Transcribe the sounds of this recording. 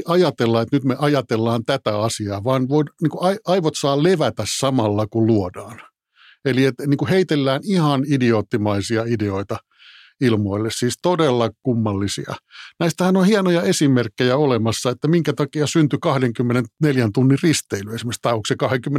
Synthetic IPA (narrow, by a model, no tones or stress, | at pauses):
ʔɑjɑt̪elːɑet̪nyt̪meʔɑjɑt̪elːɑːnt̪æt̪æɑsiɑːʋɑːnʋoinniːŋkuɑɑiʋot̪sɑːlleʋæt̪æssɑmɑlːɑkulluodɑːn | eliet̪niːŋkuheit̪elːæːnihɑnidioːt̪ːimɑisiɑideoit̪ɑ | ilmoilːessiːst̪odelːɑkumːɑlːisḭɑ̰næist̪æhænonhiɑnojɑesimerkːejæolemɑsːɑet̪ːæmiŋkæt̪ɑkiɑsynt̪ykɑhdeŋkymːenenneljænt̪unːirrist̪eilyesimekst̪ɑiuksekɑheŋkymːe